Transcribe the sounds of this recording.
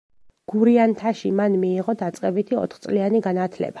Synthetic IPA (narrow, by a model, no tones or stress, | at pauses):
ɡ̥uɾiant̪ʰaʃḭmanmiːʁɔd̪at̪sʼqʼɛbit̪ʰiɔ̰t̪ʰχt̪sʼlianiɡanat̪ʰlɛ̰ba